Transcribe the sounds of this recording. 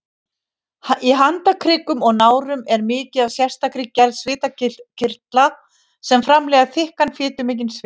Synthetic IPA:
iɦant̪akʰɾɪːkʏmɔɣnaːwɾʏmɛɾmɪːcɪðavsjɛr̥st̪akɾikcɛɾðsvɪːt̪aɪcʰɪrt̪la | sɛmfɾamlɛːɣaθɪhkanfɪːt̪ʏmɪːc̬ɪnsv

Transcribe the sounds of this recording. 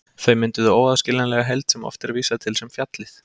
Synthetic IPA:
θœɥmɪnt̪ʏðʏoːwaðscɪlanlɛɣaɦɛjlt̪sɛmɔ̰ft̪ɛɾviːsat̪ʰɪlsɛmfjat̪lɪθ

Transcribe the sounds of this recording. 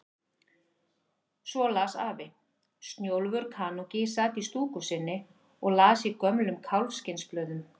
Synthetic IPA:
svɔlaːsaːvɪ | st̪njowlvʏɾkʰaːnɔcɪsat̪ist̪uːkʏsɪnːɪ | ɔɣlaːsikœmlʏmkʰawlvscɪnsplœːɥðʏm

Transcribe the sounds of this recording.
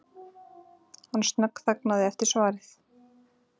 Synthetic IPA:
hanːst̪nœkθaknaðɪɛft̪ɪɾ̥svaːɾɪθ

